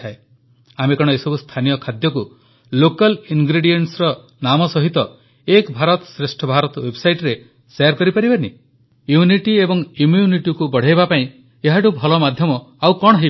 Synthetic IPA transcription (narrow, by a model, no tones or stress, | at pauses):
ae | amekɔɽ̃ɔesɔbust̪ʰanijɔkʰad̪jɔku | lokalinɡɾeɽieɳʈsɾɔ | namɔsɔɦit̪ɔ | ekbʱaɾɔt̪ɔsɾesʈʰɔbʱaɾɔt̪ɔwebsajʈɾe | sejaɾkɔɾipaɾibani | juniʈiebɔŋumjuniʈikubɔɽ̤ajbapaĩ | eɦaʈubʱɔlɔmad̪ʱjɔmɔawkɔɽ̃ɔɦe